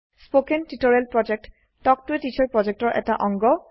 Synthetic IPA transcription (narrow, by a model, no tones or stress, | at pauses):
spokentitoɹɛlpɹɔd͡ʒek̚t | tɔk̚tuwetit͡ʃʰɔɹpɹɔd͡ʒek̚tɔɹʔɛ̰taʔɔŋɡɔ